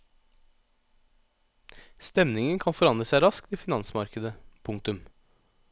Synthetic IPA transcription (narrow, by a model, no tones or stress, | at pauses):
st̪ɛmnɪŋənkʰɑnfɔɾɑnd̪ɾəsæɪɾɑskt̪iːfɪnɑnsmɑɾkəd̪əpʰʊŋt̪ʉm